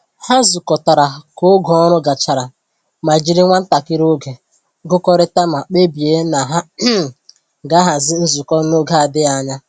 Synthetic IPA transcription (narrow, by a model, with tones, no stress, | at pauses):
ha˦zu˨kɔ˨ta˨ɾa˨ko˦ɡɔ˨ɔ˦ɾʊ˦ɡa˨t͡ʃa˨ɾa˨ | ma˨d͡ʒi˦ɾɪ˦ŋʷa˦n̩˦ta˨kɪ˦ɾo˦ɡe˨ | ɡʊ˦kɔ˦ɾɪ˦ta˦ma˨k͡pe˦bi˨e˨˦na˨ɦa˦ | ɡa˦ɦa˨zɪ˦n̩˦zu˨kɔ˦no˦ɡe˨˦a˨dɪ˦a˨ɲa˦